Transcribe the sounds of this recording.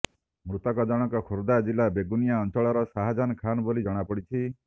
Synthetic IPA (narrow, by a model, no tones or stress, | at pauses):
mɾut̪ɔkɔd͡ʒɔɽ̃ɔŋkɔkʰoɾd̪ad͡ʒilabeɡunijaɔnt͡ʃɔɭɔɾɔsaɦad͡ʒanɔkʰanɔbolid͡ʒɔɽ̃apɔɽit͡ʃʰi